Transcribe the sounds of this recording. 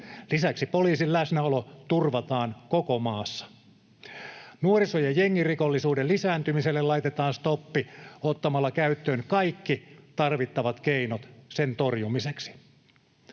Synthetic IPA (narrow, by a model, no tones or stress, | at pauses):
lisæksipoliːsillæsnæolot̪urʋɑt̪ɑːnkokomɑːsːɑ̥ | nuoɾisojɑjeŋːirikolːisuːdellisæːnt̪ymiselːellɑit̪et̪ɑːnst̪opːiot̪ːɑmɑlːɑkæyt̪ːøːnkɑikːit̪ɑrʋit̪ːɑʋɑt̪keinot̪sent̪orjumiseksi̥